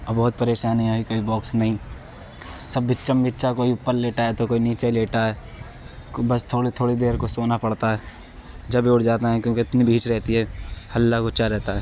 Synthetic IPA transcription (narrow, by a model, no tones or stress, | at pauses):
ɔbɐɦʊt̪̚pɐɾeːʃaːniɦoikoːibɔːksnɐɦĩ | sɐbːɪtːt͡ʃəmbɪtːʃakoːiʊpːəɾleːʈaɦɛt̪okoːiniːt͡ʃeleːʈaɦɛː | bɐst̪ʰoːɽit̪ʰoːɽid̪eːɾkosoːnapɐɽt̪aɦɛː | d͡ʒɐbʱiʊʈʰd͡ʒaːt̪aɦɛ̃kjõːkeɪt̪nibʱiːt͡ʃɾɛɦt̪iɦɛːhɐlːaɡʊt͡ʃaɾɛɦt̪aɦɛː